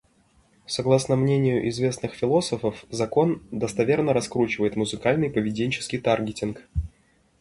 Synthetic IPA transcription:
sɐɡlˠasnəmnʲenʲɪjʊʔɪzvʲe̞snɨxfʲɪlˠo̞səfəfzɐko̞nd̪əst̪ɐvʲe̞rnəɾɐskɾut͡ɕɪvəjɪt̪mʊzɨkalʲnɨjpəvʲɪdʲenʲt͡ɕɪ̥skʲɪjt̪arɡʲɪtʲɪnk

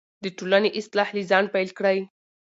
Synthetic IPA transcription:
d̪əʈolaneʔɪst̪lahlizɑɳ̚pajlkɽaj

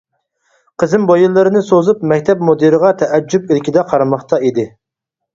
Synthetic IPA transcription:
qʰəzɨmbojɨlˠːɨɾɨnɨsozupmɛkʲt̪ʰɛp̚mod̪ɨɾɨʁɑt̪ʰɛʔɛd͡ʒːupilkʲid̪ɛqʰɑɾɑmɑχt̪ɑid̪ɪ

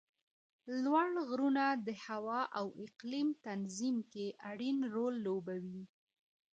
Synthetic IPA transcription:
lwaɽɣɾunad̪əhawɑʔawɪqlimt̪anzimkeʔaɽinɾolːobawi

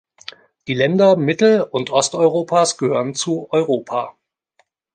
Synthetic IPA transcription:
d̥iːlɛndɐmɪtl̩ʊntʔɔstɔʏʁoːpʰaːsɡ̥əhøːʁənt͡suʔɔʏʁoːpʰaː

